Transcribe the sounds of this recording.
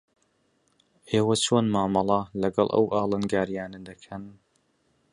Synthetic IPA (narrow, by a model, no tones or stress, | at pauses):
ʔeːwɐt͡ʃʰoːnmaːmɑlˠɑlɐɡɐlˠʔɐ̰wʔaːlˠɨnɡaːɾijaːnəd̪ɐkʰɐn